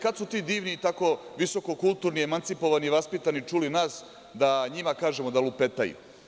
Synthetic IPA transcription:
kad̪sut̪iːd̪iːʋniːt̪ako̞ʋiso̞ko̞kulˠt̪uɾniemant̪sipo̞ʋaniʋaspit̪anit͡ʂulinaːs | d̪aɲimakaːʒemod̪alupe̞t̪ajṵ

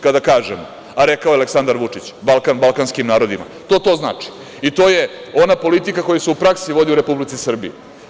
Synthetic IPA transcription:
kad̪akaːʒḛmo | aɾekaojaleksand̪aɾʋut͡ʂit͡ɕbalˠkanbalˠkanskimnaːɾo̞d̪ima̰t̪o̞ːt̪o̞ːzna̰ːt͡ʂi̥ | it̪oːjeo̞napo̞lit̪ikako̞juseupɾaksiʋo̞d̪iuɾe̞publit̪sisr̩bḭu

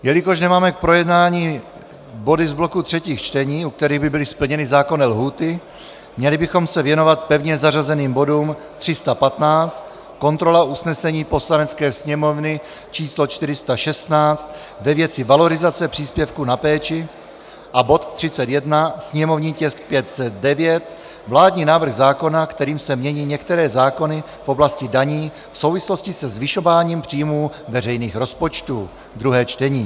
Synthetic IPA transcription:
jɛlɪkoʃnɛmaːmɛk̚pɾo̞jɛdnaːɲiː | bo̞dɪzblo̞kut̪r̝̥ɛciːxt͡ʃt̪ɛɲiːuk̚t̪ɛɾiːɣbɪbɪlɪspl̩ɲɛnɪzaːko̞nɛlɦuːt̪ɪ | mɲɛlɪbɪxo̞msɛvjɛno̞vat̪̚pɛvɲɛzarazɛniːmbo̞duːm | t̪r̝̥ɪst̪apat̪naːt͡st̪ | ko̞nt̪ɾo̞laʔusnɛsɛɲiːpo̞slanɛt͡skɛːsɲɛmo̞vnɪ | t͡ʃiːslot͡ʃt̪ɪɾɪst̪aʃɛst̪naːt͡st̪ | vɛvjɛt͡sɪvalo̞ɾɪzat͡sɛpr̝̥iːspjɛfkunapɛːt͡ʃɪ | ʔabo̞t̪t̪r̝̥ɪt͡sɛt̪jɛdnasɲɛmo̞vɲiːcɛsk̚pjɛt̪sɛd̪̚dɛvjɛt̪ | vlaːdɲiːnaːvr̩ɣzaːko̞nakt̪ɛɾiːmsɛmɲɛɲiːɲɛkt̪ɛɾɛːzaːko̞nɪ | fʔo̞blascɪdaɲiː | fso̞wvɪslo̞scɪsɛzvɪʃo̞vaːɲiːmpr̝̥iːjmuː | vɛrɛjniːxɾo̞spo̞t͡ʃt̪uː | d̪ɾuɦɛːt͡ʃt̪ɛɲiː

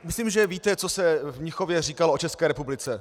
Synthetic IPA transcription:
mɪsliːmʒɛviːt̪ɛt͡so̞sɛvɲɪxovjɛriːkaloot͡ʃɛskɛːɾɛpublɪt͡sɛ

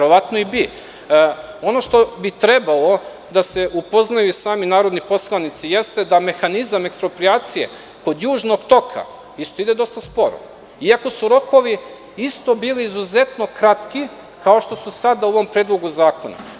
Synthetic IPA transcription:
eɾo̞ʋat̪noibi | o̞no̞ʃt̪o̞bit̪ɾe̞balo̞ | d̪ase̞ʔupo̞znajusaːminaːɾo̞d̪nipo̞slˠanit̪sije̞st̪e̞d̪ame̞xanizame̞kspɾo̞pɾiaːt̪sije̞̰ | ko̞d̪juːʒno̞ɡt̪o̞kʰa̰ | ist̪o̞id̪e̞d̪o̞st̪aspo̞ɾo̰ | iako̞suɾo̞ko̞ʋi | ist̪o̞biːliːzuze̞t̪no̞kɾat̪ki | kao̞ʃt̪o̞susad̪auoʋo̞mpɾeːd̪lˠoɡuzaːkona̰

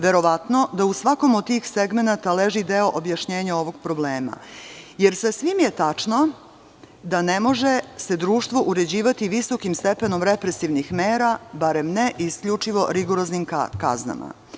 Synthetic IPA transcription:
ʋe̞ɾo̞ʋat̪no̞d̪ausʋako̞mod̪t̪iːxseɡme̞nat̪aleʒid̪eoʔobjaʃɲeːɲao̞ʋo̞ɡpɾo̞bleːma̰jeɾsasʋimjet̪at͡ʂno̞ | d̪anemo̞ʒe̞se̞d̪ɾuːʃt̪ʋo̞ʔuɾe̞d͡ʑiːʋat̪iʋiso̞kimst̪epeno̞mɾepɾesiʋnixmeːɾabaɾe̞mneʔiskʎut͡ʂiʋo̞ɾiɡoɾoznimkaka̰zna̰ma̰

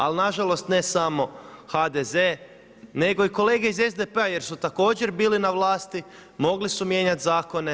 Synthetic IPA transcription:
alinaʒalo̞st̪ne̞samo̞xad̪ezeː | ne̞ɡo̞iko̞leːɡe̞ize̞zd̪epeaje̞ɾsut̪ako̞ːd͡ʑe̞ɾbiːlinaʋlˠaːst̪i | mo̞ɡlisumje̞ːɲat̪zaːko̞ne̞

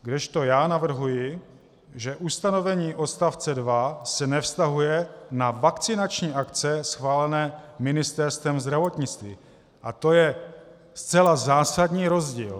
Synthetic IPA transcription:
ɡdɛʃt̪o̞jaːnavr̩ɦujɪ | ʒɛʔust̪ano̞vɛɲiːʔo̞st̪aft͡sɛdvasɛnɛfst̪aɦujɛnavakt͡sɪnat͡ʃɲiːʔakt͡sɛsxvaːlɛnɛːmɪnɪst̪ɛɾst̪vɛmzd̪ɾavo̞t̪ɲɪt͡st̪vi | ʔat̪o̞jɛ | st͡sɛlazaːsadɲiːɾo̞zɟḭːl

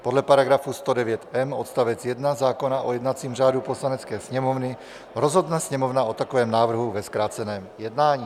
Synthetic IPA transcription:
pɔd̪lɛpaɾaɡɾafust̪ɔdɛʋɪɛt̪ɛmɔt̪st̪aʋɛd͡zjɛd̪nazaːkɔnaʔɔjɛd̪nat͡siːmʒad̪upɔslanɛt͡skɛːsɲɛmɔʊni | ɾɔzɦɔd̪nasɲɛmɔʊnaɔt̪akɔʋɛːmnaːʋr̩ɦuʋɛskɾaːt͡sɛnɛːmjɛd̪naːɲiː

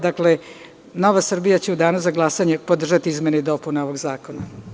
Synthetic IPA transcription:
d̪akle̞ | no̞ʋasr̩bijat͡ɕeud̪aːnuzaɡlˠasaɲepo̞d̪r̩ʒat̪iizmeneid̪o̞puneo̞ʋo̞ɡzaːko̞na

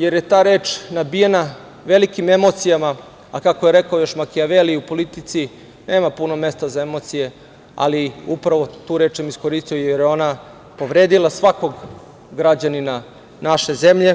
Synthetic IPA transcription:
je̞ɾje̞t̪aːɾe̞ːt͡ʃnabijena | ʋe̞likimemo̞t̪sijama | akako̞jeɾe̞kaojo̞ʃmakiaʋeliupo̞lit̪it̪si | ne̞ːmapunome̞st̪azaemo̞t̪sije̞ | a̰liupɾaʋo̞t̪uːɾe̞ːt͡ʃsamisko̞ɾist̪ijojeɾjeona | po̞ʋɾe̞ːd̪ilˠasʋako̞ɡ | ɡɾad͡ʑanina | naʃe̞ze̞mʎe̞

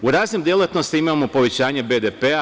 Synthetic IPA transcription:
uɾaːznimd̪jelet̪no̞st̪iimamo̞po̞ʋe̞t͡ɕaːɲebed̪epea

